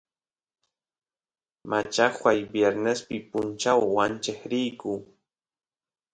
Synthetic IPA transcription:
mʔat͡ʃaxwajbjeɾnespɪpʊnt͡ʃawwant͡ʃeχɾɪjkʊ

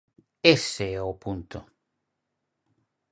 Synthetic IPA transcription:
eseɛopunt̪ʊ

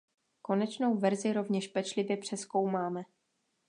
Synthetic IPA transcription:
ko̞nɛt͡ʃno̞wvɛɾzɪɾo̞vɲɛʃpɛt͡ʃlɪvjɛpr̥ɛsko̞wmaːmɛ

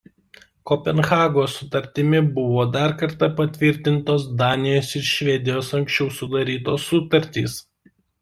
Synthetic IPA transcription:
kɔpʲɛnxɑːɡoːsʊt̪ɐɾʲt̪ʲɪmʲɪbʊʋoːd̪ɑɾkɐɾt̪ɐpɐt̪ʲʋʲɪɾʲt̪ʲɪnt̪oːsd̪ɑːnʲɪjoːsɪɾʃʲʋʲɛd̪ʲɪjoːsɐŋksʲt͡ʃʲɛʊsʊd̪ɐɾʲiːt̪oːsːʊt̪ɐɾʲt̪ʲḭːs

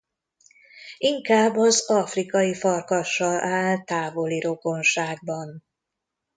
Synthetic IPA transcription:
iŋkaːbːɒzɒfrikɒjifɒrkɒʃːɒlʔaːlt̪aːvo̞liɾo̞ɡo̞nʃaːɡ̚bɒn

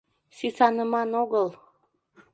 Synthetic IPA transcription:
sysɑnəmɑnoɣəlˠ

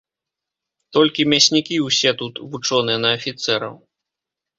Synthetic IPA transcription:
t̪ɔlʲkʲimʲasʲnʲikʲiwsʲɛt̪ut̪vut͡ʂɔnɨjɛnɐːfʲit̪sɛɾɐ̰w

